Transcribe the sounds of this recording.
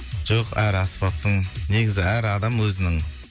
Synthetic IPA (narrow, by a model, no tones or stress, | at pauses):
ʒ̥oqæɾɑspɑt̪ːəɴne̞ɡʲɪzɪæɾɑd̪ɑmwɵzɪnɪŋ